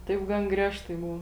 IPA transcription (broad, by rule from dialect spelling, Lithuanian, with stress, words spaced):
ˈtɐɪp ˈɡɐn ˈɡrʲiɛʃtɐɪ ˈbʊw